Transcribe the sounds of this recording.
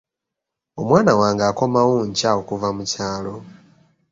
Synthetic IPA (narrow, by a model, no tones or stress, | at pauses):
omwaːnawaːŋɡaːkomawuɲcawokuvamucaːlo